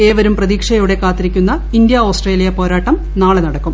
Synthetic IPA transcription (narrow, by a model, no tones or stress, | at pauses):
e̞ːʋɐɾumprɐðiːkʂɐjuɽe̞kaːt̪ːiɾikʲːunːɐ | ind̪jɐo̞ːsʈreːlijɐpo̞ːɾaːʈːɐm | naːɭenɐɽɐkːum